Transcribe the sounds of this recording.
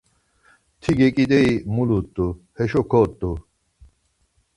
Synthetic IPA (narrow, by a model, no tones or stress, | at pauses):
t̪ʰiɡekʼid̪eimulut̪ʼːuhɛɕɔkʰɔt̪ːu